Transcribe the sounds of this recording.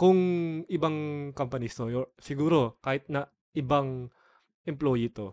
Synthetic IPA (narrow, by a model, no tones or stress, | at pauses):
kʊŋʔɪbɐŋkɐmpɐnist̪oosɪɡuːɾo̞kaːhɪt̪̚nɐ | ʔɪbɐŋ | ʔɛmploːjit̪o̞